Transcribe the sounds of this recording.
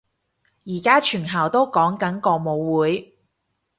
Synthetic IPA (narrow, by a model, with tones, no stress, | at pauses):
jiː˨˩kaː˥t͡ʃʰyː˨˩nɦaː˨˩wt̪o˥wkɔː˨˥ŋkɐ˨˥nkɔː˧mo˨˧wwuː˨˥j